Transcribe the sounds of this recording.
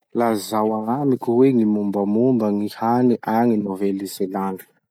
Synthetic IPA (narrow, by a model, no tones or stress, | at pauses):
lazawaŋamikʲuweŋimumbəmumbəŋihaniʔaŋinovɛlizelani̥